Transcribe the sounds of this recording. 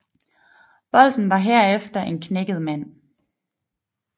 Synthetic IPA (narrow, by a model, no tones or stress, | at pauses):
b̥ɒ̽l̰d̥n̩ʋɑ̈ɦeɐ̰efd̥ɐʔe̝nkʰneɡ̥əð̞̩ˠmæn̰